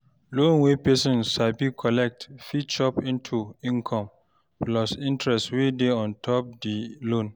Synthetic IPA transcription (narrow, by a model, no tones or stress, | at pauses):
lõnwepɛsɔ̃nsʃabikʰɔlɛk̚tfit͡ʃɔpĩntʰuĩnkʰɔ̃m | plɔsĩntɹɛsswedeɔ̃ntʰɔp̚dilõn